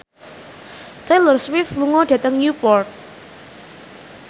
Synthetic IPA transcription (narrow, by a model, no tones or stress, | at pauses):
t̪ejlərswɪfluŋɔɖ̥e̤t̪əŋnjupɔrt̪̚